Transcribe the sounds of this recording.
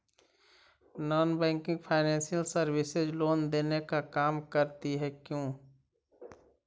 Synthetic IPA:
nɔːnbɛ̃ːŋkɪ̃ŋɡpʰaːɪnɛ̃ːnsijəlsəɾwɪsezloːnd̪eːnekakaːmkəɾt̪iɦɛkjõː

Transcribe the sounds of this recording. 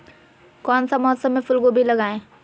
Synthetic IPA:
kɔːnsamʊɦəsːəmːẽfʊlɡobʱilɐɡaːẽː

